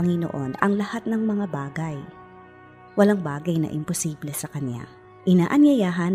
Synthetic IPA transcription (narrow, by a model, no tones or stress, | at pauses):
ɐŋɪno̰ʔo̞nɐ̰ŋlɐhat̪̚nɐŋmɐŋabaːɡɐj | wɐlaŋbaːɡɐjnɐ̰ʔɪmposiːblɛsɐkɐnja̰ | ʔɪnaːʔɐnjɐjaːɦɐn